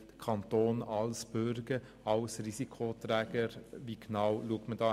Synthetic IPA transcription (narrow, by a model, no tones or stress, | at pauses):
d̥əkʰɑnt̪oːnɑlsb̥ʏɾɡ̥ə | ɑlsɾisikʰot̪ɾɛːɡ̥əɾviɡnɑwluək̚tmədɑː